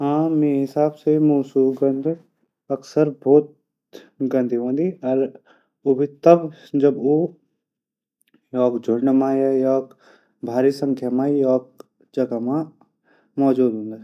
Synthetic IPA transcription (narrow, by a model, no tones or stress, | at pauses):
ɦãːmẽɦɪsaːbsemoːsuːɡə̃nd̪ʱ | ɐksəɾbɔːt̪̚ | ɡɐ̃nd̪ʱiɦə̃nd̪iɔːɾ | obʱit̪ɐbd͡ʒɐbo | jɔːkd͡ʒʱʊɽɖmãjajɔːk | bʱaːɾisə̃ŋkʰjamãjɔːk̚ | d͡ʒɐɡamã | mɔːd͡ʒuːd̪ɦõːnd̪aː